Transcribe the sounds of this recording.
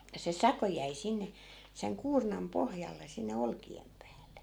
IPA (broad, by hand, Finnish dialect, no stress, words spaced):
jɑ se sɑko jæi sinːe seŋ kuːrnɑm pohjɑlːe sinːe olkiem pæːlːe